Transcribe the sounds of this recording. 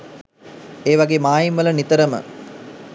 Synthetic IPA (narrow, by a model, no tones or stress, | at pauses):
eːʋaɡeːmaːjimʋələnit̪əɾəmə̰